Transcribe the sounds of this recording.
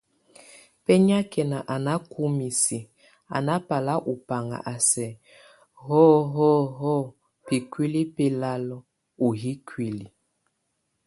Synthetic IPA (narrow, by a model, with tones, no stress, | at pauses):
pɛ˦ɲ˦a˦kɛ˨na˨ʔa˨na˦ku˦mi˨si˨ | a̰˨na˦pa˨la˦ʔu˨pa˨ŋa̰˨ʔa˨sɛ˨ | hɔ˦ɦɔ˦ɦɔ˦ | pi˨kwi˦li˦pɛ˦la˦lɔ˦ | u˨ɦi˦kʰwi˨li˨